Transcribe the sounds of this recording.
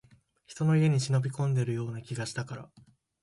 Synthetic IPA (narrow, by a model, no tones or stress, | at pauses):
çi̥t̪o̞no̞ie̞ɲ̟iɕino̞bʲikõ̞nd̪e̞ɾɯ̟jo̞ːnakʲiɡaɕi̥t̪akaɾa